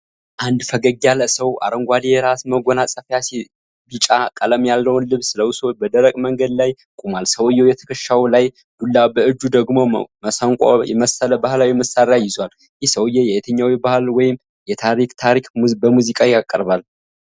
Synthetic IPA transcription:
ʔand̪fəɡəɡaləsəwa̰ɾəŋɡʷad̪ijɛɾasməɡʷonasʼəfjasi | bit͡ʃʼakʼələmjalːəwnlɨβsɨləwusobəd̪əɾəkʼməŋɡəd̪laj | kʼumalsəwjːɛwjɛt̪ʰə̥kʰəʃːawlaj | d̪̥ulːabəɨd͡ʒːud̪əɡmo̞məsaŋkʷʼa̰jɛ̰məsələbahɨlawiməsaɾjajɪzwal | jɪhsəwjːɛjɛʔet̪ʰəɲːawibahɨlwɔjɪm | jɛt̪ʰaɾikt̪ʰaɾikmbəmuzikʼajakʼːəɾbal

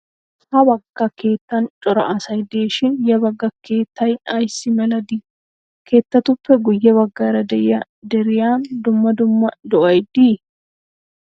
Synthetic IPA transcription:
hɐbɐɡːɐke̞ːt̪ːɐnt͡ʃʼɔɾɐ̰ʔɐsɐjd̪eːʃɪnjɐbɐɡːɐkeːt̪ːɐjɐjsɪmɛlɐd̪iː | kʰe̞ːt̪ːɐt̪ʊfːɛɡʊjːɐβɐɡːɐɾɐd̪ɛjɐ | d̪ɛɾɪjaːnd̪ʊmːɐd̪ʊmːɐd̪ɔʔɐjd̪iː

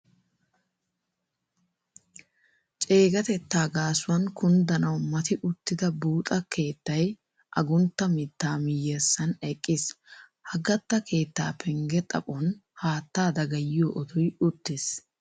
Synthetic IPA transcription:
t͡ʃʼe̞ːɡɐt̪ɛt̪ːaːɡaːsʊwɐŋkʊnd̪ɐnɐwmɐt̪ɪʔʊt̪ːɪd̪ɐbuːt̪ʼɐkʰe̞ːt̪ːɐj | ʔɐɡʊnt̪ːɐmɪt̪ːaːmɪjɛsːɐnɛkʼːɪshɐɡɐt̪ːɐke̞ːt̪ːa̰ːpʰɛŋɡɛt̪ʼɐ̰pʼɔnhaːt̪ːaːd̪ɐɡɐjɪjoʔɔt̪ʰɔjʊt̪ːɪs

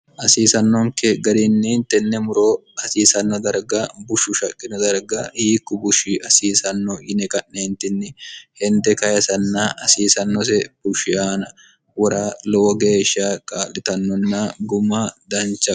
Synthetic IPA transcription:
ʔɐsiːsɐnːɔŋkɛɡɐd̪ɾɪnːɛnt̪ːɛnːɛmʊɾoːɐsiːsɐnːɔd̪ɐɾɡɐbʊʃːʊʃɐkʼːɪnɔd̪ɐɾɡɐhiːkːʊbʊʃɪɐsiːsɐnːɔʔɪnɛkʼɐʔːeːnt̪ɪnːɪhɛnd̪ɛkɐjɐsɐnːɐʔɐsiːsɐnːɔsɛb̥ʊʃɪaːnɐ | wɔɾaːlɔwɔɡe̞ːʃːɐkʼaːlːɪt̪ɐnːɔnːɐɡʊmɐd̪ɐnt͡ʃːɐ

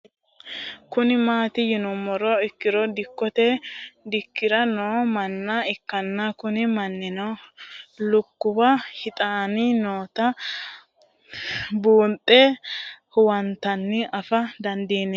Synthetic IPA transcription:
kʊnɪmaːt̪ɪjɪnɔmɔɾɔɪkːɪɾɔd̪ɪkːɔt̪ɛd̪ɪkːɪɾɐnoːmɐnːɐɪkːɐnːɐkʊnɪmɐnːɪnɔ | lʊkːʊbɐhɪt̪ʼaːninoːt̪ɐ | buːnt̪ʼːɛhʊwɐnt̪ɐnːɪɐfɐd̪ɐnd̪iːnɛː

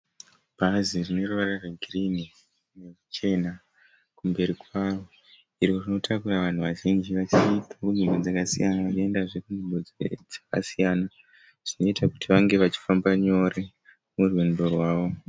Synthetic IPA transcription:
b̥ʱaziʐino̞ruʋarareɡʱrini | ne̞kut͡ʃe̞na | kumbe̞ɾikwaːo̞ | irorino̞tʰakuɾaʋan̤uʋaʒind͡ʒiʋat͡ʃitakunimɡo̞d͡zakasijanaʋat͡ʃie̞ndaʐe̞kunimbo̞d͡zd͡zakasijana | ʐ̥ino̞itʰakutiʋaŋɡe̞ʋat͡ʃi̥fambaɲo̞ɾe̞ | murwendo̞rwaːʋo̞

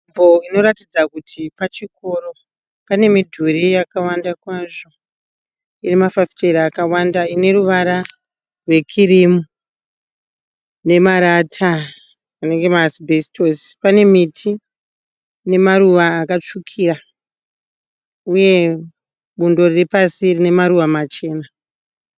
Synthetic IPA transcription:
boino̞ɾatid͡zakutʰipat͡ʃiko̞ɾo̞ | pane̞midʱuɾijakawandakwaʐo̞ | irimafafi̥t͡ʃeɾakawandaine̞ɾuʋaɾa | rwe̞kʰirimu | ne̞maɾatʰaː | ne̞ŋɡe̞masibʱestosi̥pane̞mitʰi | ne̞maɾuʋaːkat͡ʂukʰira | uje̞ | ɓundo̞repasirine̞maɾuʋamat͡ʃe̞ːna

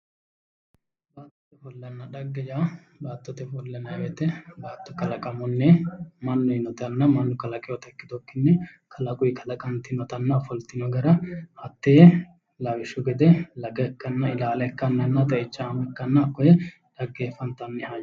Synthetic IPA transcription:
baːt̪ːɔt̪ɛfɔlːɐnːɐd̪ɐɡːɛjaː | baːt̪ːɔt̪ɛfɔlːɛnɐwɛt̪ɛbaːt̪ːɔkɐlɐkʼɐmɔnːɛmɐnːʊjɪnɔt̪ɐnːɐmɐnːʊkɐlɐkʼɛɔt̪ɛkːɪd̪ɔkːɪnːɛ | kʰɐlɐkʼʊjɪkʰɐlɐkʼɐnt̪ɪnɔt̪ɐnːɐfɔlt̪ɪnɔɡɐɾɐhɐt̪ːɛjɛ | lɐwɪʃʊɡɛd̪ɛlɐɡɐːkːɐnːɐɪlaːlɛkːɐnːɐnːɐt̪ɐɪt͡ʃːɐɐmɛkːɐnːɐkːɔjɛ | d̪̥ɐɡːeːfɐnt̪ɐnːɛhaj

